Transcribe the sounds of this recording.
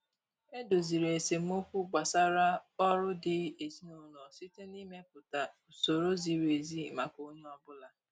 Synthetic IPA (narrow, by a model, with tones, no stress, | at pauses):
e˦do˨zi˨ɾe˨e˨se˨m̩˦o˦kʷu˦ɡ͡ba˨sa˦ɾa˦ɔ˦ɾʊ˦dɪ˨e˨zi˦no˨nɔ˨si˦te˦ni˦me˦p̚ʊ˨ta˨so˨ɾo˦zi˨ɾe˨zi˦ma˨ko˦ɲ˦ɔ˦bʊ˦la˨